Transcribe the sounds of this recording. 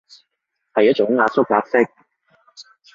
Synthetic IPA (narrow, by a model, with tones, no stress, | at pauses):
hɐ˨jɐ˥t̚t͡ʃʊ˨˥ŋːaː˧sʊ˥k̚ːaː˧˥k̚sɪ˥k̚